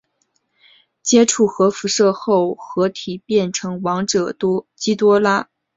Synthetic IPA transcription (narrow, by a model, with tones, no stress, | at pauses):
t͡ɕjɛ˥ʈ͡ʂʰu˥˩xɤ˧˥fu˧˥ʂɤ˥˧xo˥˩ʊxɤ˧˥t̪ʰi˨˩pjɛ˥˩nʈ͡ʂʰɤ˧˥ŋwɑ˧˥ŋʈ͡ʂɤ˨˩t̪t͡ɕi˥t̪wɔ˥la˥